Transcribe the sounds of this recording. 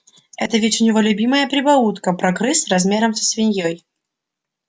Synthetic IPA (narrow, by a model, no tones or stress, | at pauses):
ɛ̰t̪əvʲɪtʲʊnʲɪvolʲʊbʲiməjəpɾʲɪbɐut̪kəpɾɐkɾɨsʲrɐzmʲeɾəmsʲə̥sʲvʲɪnʲjoj